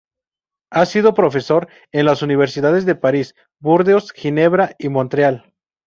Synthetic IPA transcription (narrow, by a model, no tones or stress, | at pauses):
asið̞o̞pɾo̞fe̞so̞ɾ | e̞nlasuniβ̞e̞ɾsiðaðe̞zðe̞paɾis | buɾðeosxine̞βɾaimont̪ɾjal